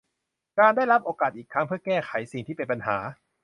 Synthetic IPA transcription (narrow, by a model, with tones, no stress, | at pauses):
kaː˧nda˥˩jɾa˦˥p̚ʔoː˧kaː˨˩t̪̚ʔiː˨˩kʰːa˦˥ŋpʰɯ˥˩ɐkɛː˥˩xʰa˨˩˦jsi˨˩ŋt̪ʰiː˥˩pe˧npa˧nɦaː˩˦